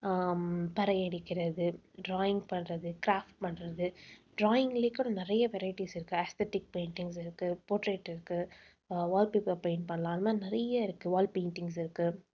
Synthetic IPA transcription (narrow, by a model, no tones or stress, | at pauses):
pɐɾɐɛɽɪkːɪɾɐðɯ | ɖɾaːjɪŋɡpɐɳrɐðɯkɾaːfʈ̚pɐɳrɐðɯɖɾaːjɪŋɡɐlekːʊɽɐ̃nɪɾɐjɐʋɛɾɐɪʈisɪɾɯkːɯɐst̪eʈɪk̚peːɳʈɪŋɡs̬ɪɾɯkːɯpoːʈɾeːʈɪɾɯkːɯ | ʋaːlpiːpːɐpeɪnɖ̚pɐɳɐlaːlmaːnɪɾɐjɐɪɾɯkːɯʋaːlpeːnʈɪŋɡs̬ɪɾɯkːɯ